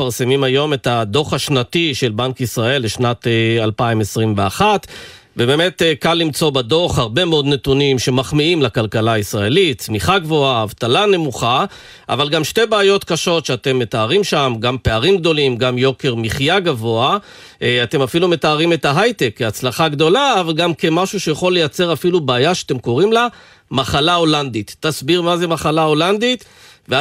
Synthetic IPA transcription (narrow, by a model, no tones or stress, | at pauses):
faʁse̞mimajo̞me̞tad̪oχhaʃnatiʃe̞lbankisʁae̞lːeʃnatalpaimesʁimveaχat | vebe̞me̞tkalːimt͡so̞bado̞χhaʁbe̞meo̞d̪ne̞tunimʃe̞maχmiimlakalkalaisʁae̞litt͡smiχaɡvo̞aːvtalane̞muχa | ʔa̰valɡamʃte̞baːjo̞t̪kaʃo̞tʃeat̪e̞mːe̞t̪aːʁimʃamɡampe̞aʁimɡd̪o̞limɡamjo̞ke̞ʁmiχjaɡavo̞a | at̪e̞mafilume̞taːʁime̞taɦajt̪e̞kːeat͡slaχaɡd̪o̞laːvalɡamke̞maʃuʃejaχo̞lːejat͡se̞ʁafilubaːjaʃeḁt̪emko̞ʁimla | maχalao̞land̪it̪ːasbiʁmazemaχalao̞land̪it̪ | vea